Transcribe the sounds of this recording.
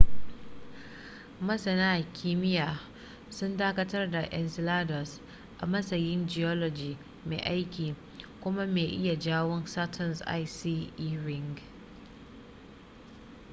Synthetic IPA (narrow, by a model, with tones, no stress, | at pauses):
mɐ˦sɐ˨naː˦˨kʲiː˦mɪ˦jaː˨ | sʊ˦ndaː˦kɐ˦tɐ˦rda˨ʔɛ˨nsɪ˨laː˦dɔ˨s | ʔa̰˨mɐ˦sɐ˨jɪ˦nd͡ʒɪ˨jɔ˦lɔ˨d͡ʒiː˨ | mḛː˨ʔa˦jkʲiː˨ | kʷʊ˦ma˦meː˨ʔɪ˦ja˨d͡ʒaː˦wɔ˦nsa˦tʰɐ˨nsʔa̰˦jsiː˦ʔːɾɪ˦ŋɡ